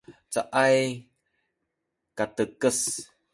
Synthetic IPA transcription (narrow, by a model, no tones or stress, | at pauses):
t͡saʔaj | katəkəs